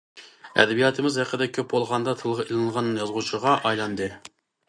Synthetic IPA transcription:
ɛ̰d̪ɛbijɑːt̪ʰɨmɪzhæqːəd̪ɛkʲʰøp̚bolˠʁɑnd̪ɑt̪ʰɨlˠʁɑilˠɨnɨlˠʁɑnːɨnjɑzʁut͡ʃʰəʁɑʔɑjlˠɑnd̪ɨ

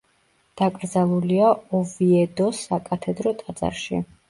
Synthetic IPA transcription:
d̪̥akʼɾd̪zalˠuliaɔviɛd̪ɔsakʼat̪ʰɛd̪ɾɔt̪ʼad̪z̥a̰ɾʃḭ

